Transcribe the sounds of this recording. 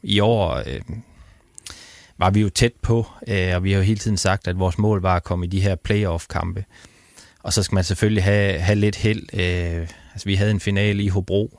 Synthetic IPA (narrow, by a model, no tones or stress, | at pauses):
iɒ̰ːø | ʋɑ̈ʋijo̝t͡sʰed̥̚pʰɒ̽ɒ̽ʋihɑ̈jo̝ɦe̝ːlt͡sʰið̞̰ˠn̩sɑ̈ɡ̥̚d̥æd̥ʋɒːsmɔ̰̽ːlʋɑ̈ækʰɒ̽m̰id̥iɦeɐ̰pʰleɪɒfkʰɑ̈mb̥ə | ɒ̽sɒ̽sɡ̥æmænsefølliɦæɦæle̝d̥hel̰øælsɒʋiɦæð̞̩ˠenfinɛ̰ːləiɦo̝b̥ʁo̝̰ː